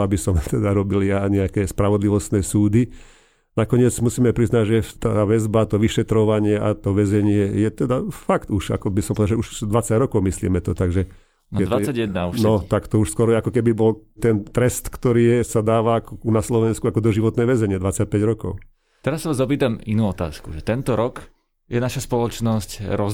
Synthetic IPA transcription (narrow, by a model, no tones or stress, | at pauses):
abisɔmt̪ɛd̪aɾɔbiljaɲɛakɛːspɾaʋɔd̪liʋɔst̪nɛːsuːd̪i | nakɔɲɪɛd͡zmusiːmɛpɾiznaɟʒɛt̪aʋɛzbat̪ɔʋiʃɛt̪ɾɔʋaɲɪɛʔa̰t̪ɔʋɛzɛɲɪɛjɛt̪ɛd̪afakt̪uʃa̰kɔbisɔmpɔʋd̪aʒɛuʃd̪ʋat͡saɟɾɔkɔʊmislḭːmɛt̪ɔt̪aɡʒɛ | nɛd̪ʋat͡sːaɟjɛd̪nauʃnɔt̪akt̪ɔuʃskwɔɾɔjɛakɔkɛbibɔlt̪ɛnt̪ɾɛst̪kt̪ɔɾiːsad̪aːʋaakɔkunaslɔʋɛnskuakɔd̪ɔʒiʋɔt̪nɛːʋɛzɛɲɪɛd̪ʋat͡sac̚pɛɟɾɔkɔ̰ʊ | t̪ɛɾasːaʋaːzɔp̬iːt̪aminuːɔt̪a̰ːskṵʒɛt̪ɛnt̪ɔɾɔk | jɛnaʃaspɔlɔt͡ʃnɔscɾɔ